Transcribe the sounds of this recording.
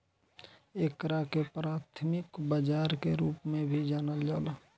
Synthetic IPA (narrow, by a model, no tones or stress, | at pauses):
eːkɾakepɾaːt̪ʰmɪkbad͡ʒaːɾkeɾuːpmẽbʱid͡ʒaːnəld͡ʒaːla